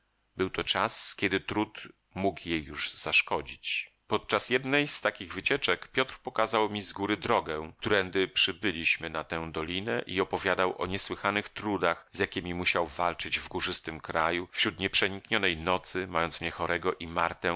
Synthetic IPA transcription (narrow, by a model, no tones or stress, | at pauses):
bɘwt̪ɔt͡ʂaskʲɛd̪ɘt̪ɾut̪ | mukjejːuʐz̥aʂkɔd͡ʑit͡ɕ | pɔt̪̚t͡ʂasjɛd̪nɛjst̪akʲiɣvɘt͡ɕɛt͡ʂɛkpʲjɔt̪ɾpɔkazawmʲizɡuɾɘd̪ɾɔɡɛt̪uɾɛnd̪ɘpʂɘbɘlʲiɕmɘnat̪ɛ̃d̪ɔlʲinɛʔiɔpɔvʲjad̪awʔɔ̰ɲɛswɘxanɘxt̪ɾud̪axzʲjakʲimʲimuɕawvalt͡ʂɘd͡ʑvɡuʐɘst̪ɘmkɾajufɕɾut̪ɲɛpʂɛɲikɲɔnɛjnɔt̪sɘmajɔnt̪smɲɛxɔɾɛɡɔʔimaɾt̪ɛ